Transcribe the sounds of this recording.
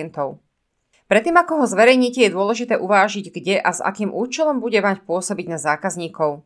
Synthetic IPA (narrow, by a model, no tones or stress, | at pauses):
ɛnt̪ɔʊ | pɾɛt̪ːiːmakɔɦɔzʋɛɾɛjɲiːcɛjɛd̪ʊɔlɛʒit̪ɛːʔuʋaːʒiɟɡɟɛʔaza̰kiːmʔuːt͡ʃɛlɔmbuɟɛmacpʊɔsɔbiɟnazaːkazɲiːkɔʊ